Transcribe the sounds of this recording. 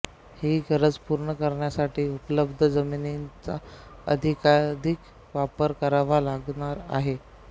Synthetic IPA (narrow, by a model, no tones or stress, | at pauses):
hiːɡʱəɾəd͡zpuɾɳəkəɾɳjasaʈʰiːupələbd̪ʱəd͡zəminint͡saə̰d̪ʱikad̪ʱik | ʋapəɾkəɾaʋalaɡɳaɾa̰ɦe